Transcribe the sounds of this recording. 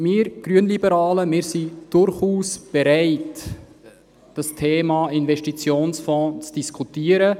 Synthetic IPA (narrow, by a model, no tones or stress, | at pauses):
mɪːɾɡ̥ɾyənlibəɾɑːləmɪːɾsid̥ʊɾχuːsb̥ɛɾaɪt | d̥ɑstʰeːmɑɪnvɛʃtit͡sjoːnsfɔ̃ːt͡sd̥iskʰutiːəɾə